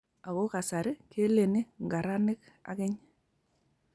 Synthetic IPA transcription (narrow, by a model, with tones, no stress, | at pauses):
a˨ko˦ka˨sa˨ɾɪ˦ke˦le˨nɪ˦ŋɡa˨ɾa˦nɪ˦k̚ | a̰˨kɪ˦ɲ